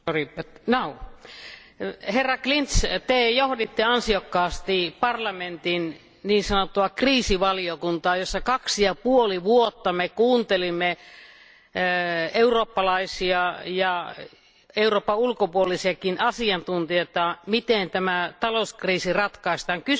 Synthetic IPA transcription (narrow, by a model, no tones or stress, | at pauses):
oripːenou | herːɑklint̪st̪eːjohdit̪ːiɑnsiokːɑːst̪ipɑrlɑment̪in | niːnsɑnot̪ːuɑkriːsiʋɑliokunt̪ɑːjosːɑkɑksijɑpuoliʋuot̪ːɑmekuːnt̪elimːe | euroːpːɑlɑisiɑjɑ | euroːpːɑulkopuolisiɑkinʔɑsiɑnt̪unt̪ijot̪ɑmit̪ent̪æmæt̪ɑlouskriːsirɑt̪kɑist̪ɑŋky